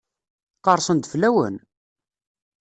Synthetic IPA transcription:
qɑɾˤsˤənd̪flæwə̰n

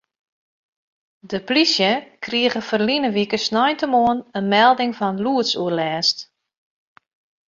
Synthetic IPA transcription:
dəplisjəkʰriəɣəfərlinəʋikəsnɔjntəmoənənmɛlˠdɪŋfɔnluətsuərlɛːst

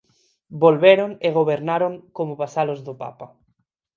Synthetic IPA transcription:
bolβeɾoŋeɣ̞oβeɾnaɾoŋkomoβasalozðopa̰pa

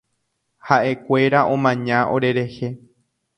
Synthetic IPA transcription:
haʔe̞kʷe̞ɾaʔõ̞mãɲãʔo̞̰ɾe̞ɾe̞he̞

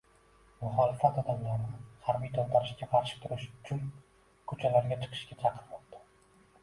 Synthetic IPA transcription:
mʊχɒlɪfat̪ɒd̪amlaɾnɪhaɾbijt̪ʰont̪ʰaɾɪʃkʲaqʰɑɾʃɪ̥k̚ʲt̪ʰʊɾɪʃʊ̥t͡ʃʰʊn | kʰot͡ʃʰalaɾɡʲat͡ʃʰɨ̥qʰɨ̥ʃkʲat͡ʃʰɑqʰɨɾmɒq̚t̪ʰḁ

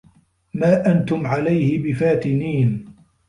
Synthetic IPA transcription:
maːʔant̪ʊmʕalajhɪbɪfaːt̪ɪniːn

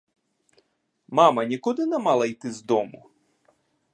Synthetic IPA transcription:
mɑmɐnʲikud̪ɪnɛmɑlˠɐjt̪ɪzd̪ɔmʊ

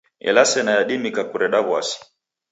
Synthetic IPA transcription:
ɛ̰lasɛnajaɗimikakuɾɛɗaβwa̰si̥

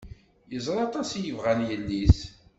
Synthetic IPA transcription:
jəzˤɾˤɑt̪ˤɑsjəvʁænjəlːiθ

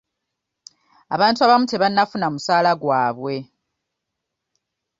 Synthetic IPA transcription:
aβaːntuaβamuteβanːafunamusaːlaɡwaːβwe̞

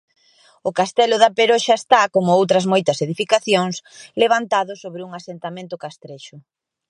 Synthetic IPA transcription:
ʊkast̪ɛlʊðɐpeɾoʃɐest̪akomʊowt̪ɾɐzmojt̪ɐseðifikaθjoŋsleβ̞ant̪aðʊsoβɾɪuŋasent̪amẽnt̪ʊkast̪ɾeʃʊ

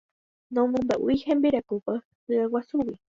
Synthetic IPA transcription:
nõmõnd̪aʔuihẽmbiɾakupə | ɨawasuwi

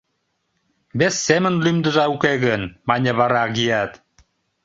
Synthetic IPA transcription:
βesːemə̆nlymd̪ə̆ʒɑukeɣənmɑnʲə̆βɑɾɑɣijɑt̪

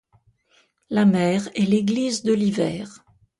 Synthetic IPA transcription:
lamɛːʁɛleɡlizd̪əlivɛːʁ

